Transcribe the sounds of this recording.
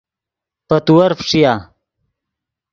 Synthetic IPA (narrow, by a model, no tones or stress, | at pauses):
pɐt̪uwɐɾfʂija